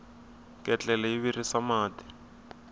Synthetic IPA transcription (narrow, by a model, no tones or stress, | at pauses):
kʼɛt͡ɬʼɛlɛiβirisamaːti̥